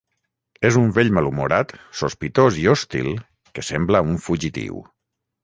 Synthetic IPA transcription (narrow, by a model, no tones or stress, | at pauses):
ezuɱveʎmalumuɾat̪suspit̪oziost̪ḭlˠ | kesembləuɱfuʒit̪ḭw